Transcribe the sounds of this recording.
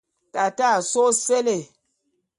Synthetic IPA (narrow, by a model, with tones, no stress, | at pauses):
ta˨ta˦˨so˦se˦le˨